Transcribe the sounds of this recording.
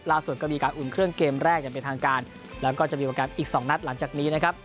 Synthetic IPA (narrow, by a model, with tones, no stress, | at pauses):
laː˥˩su˨˩t̪̚kɔ˥˩miː˧kaː˧nʔu˨˩nkʰɾɯ˥˩əŋkeː˧mɾɛː˥˩k̚ja˨˩pe˧nt̪ʰaː˧ŋkaː˧n | lɛː˦˥wkɔː˥˩t͡ɕa˨˩ʔmiː˧˩aː˧˩kaː˧nʔiː˨˩k̚sɔː˩˦ŋna˦˥t̪̚la˩˦ŋt͡ɕaː˨˩k̚niː˦˥na˦kʰa˦˥p̚